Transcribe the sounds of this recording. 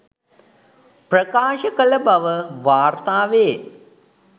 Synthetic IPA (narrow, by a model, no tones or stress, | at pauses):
prəkaːʃəkələbaʋəʋaːrt̪aːʋeː